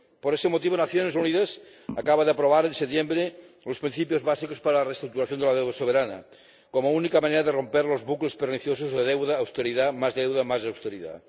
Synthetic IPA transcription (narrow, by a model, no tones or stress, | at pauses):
poɾesemot̪iβ̞onaθjonesuniðas | akaβaðeapɾoβ̞aɾenset̪jembɾe | lospɾinθipjozβasikospaɾalarest̪ɾuk̚t̪uɾaθjond̪elaðewðasoβ̞eɾanɐ̰ | komounikamaneɾaðero̞mpeɾlozβuklespeɾniθjosozðeð̞ewðaːwst̪eɾiðamazðewðamazðawst̪eɾiða̰